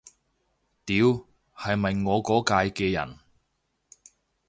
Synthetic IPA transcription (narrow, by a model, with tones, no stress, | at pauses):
t̪iː˨˧˥w | hɐ˨jmɐ˨jŋɔː˨˧kɔː˨˥kaː˧jkɛː˧jɐ̰˨˩n